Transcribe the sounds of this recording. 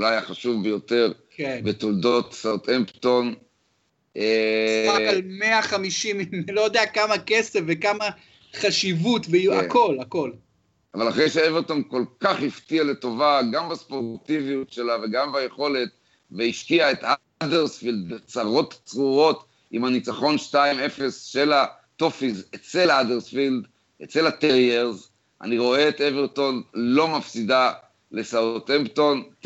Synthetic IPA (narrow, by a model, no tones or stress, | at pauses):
loajaχaʃuvbejo̞t̪e̞ʁkebet̪old̪o̞t̪sat̪empt̪on | eakalmeaχamiʃimimnilojod̪eakamakesefvekama | χaʃivutveako̞lako̞l | avalaχʁejʃeeveʁt̪onko̞lkaχhiftialeto̞vaɡambaspo̞ʁt̪ivijutʃe̞lave̞ɡambaje̞χo̞le̞t̚ | veiʃkiaet̪ha | deʁsfild̪̚bet͡saʁo̞tt͡sʁuʁo̞t | imhanit͡saχo̞nʃtaime̞fe̞sʃe̞la | t̪ofizet͡se̞ladeʁsfild̪ | et͡se̞lat̪eʁjeʁz | ʔa̰niʁo̞eːt̪eveʁto̞nlo̞mafsida | le̞saotempto̞nt